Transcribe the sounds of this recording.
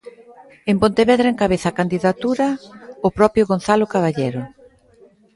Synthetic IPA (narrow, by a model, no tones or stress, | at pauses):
empont̪eβeðɾaeŋkaβeθakand̪iðat̪uɾaʊpɾɔpjoɣonθalokaβaʎeɾʊ